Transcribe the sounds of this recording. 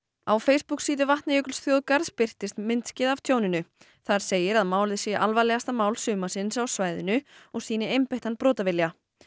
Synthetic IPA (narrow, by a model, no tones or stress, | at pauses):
awfejspuksiːt̪ɪvaht̪najʏklsθjowðkaɾðspɪr̥t̪ɪst̪mɪnt̪scɪðav̥t̪ʰjoːwnɪnʏ | θaɾ̥seːjɪɾaðmaːwlðɪsɛʔalvajlɛɣast̪amaːwlsʏːmasɪnsawsvaːjðɪnʏɔɣsiːnɪejmpɛht̪anpɾɔːt̪avɪlja